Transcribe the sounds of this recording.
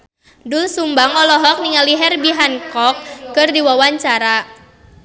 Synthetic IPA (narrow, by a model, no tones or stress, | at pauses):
dulsumbaŋɔlɔɦɔk̚niŋaliɦɛrbiɦankɔkːɨrdiwawaɲt͡ʃaɾa